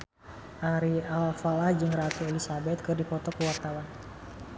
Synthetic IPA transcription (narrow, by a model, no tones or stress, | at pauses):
ʔaɾialfalahd͡ʒɨŋɾat̪uelisabɛt̪̚kɨrdipɔt̪ɔkəwart̪awan